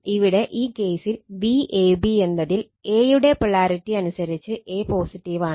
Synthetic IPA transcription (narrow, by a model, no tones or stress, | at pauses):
iʋiɽe̞ʔiːke̞ːsilʋiʔeːbie̞nːɐðil | e̞ːjuɽe̞priɭaːɾiʈːiɐnusɐɾit͡ɕːɨʔe̞ːpo̞ːsiʈːiʋaːɳɨ